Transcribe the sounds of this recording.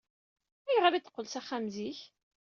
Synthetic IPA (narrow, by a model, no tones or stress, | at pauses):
æjʁaɾiθqːəlsæχːæmziç